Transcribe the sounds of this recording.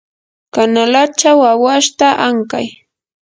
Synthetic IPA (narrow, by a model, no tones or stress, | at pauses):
kanalat͡ʃawawaʃt̪aʔaŋka̰j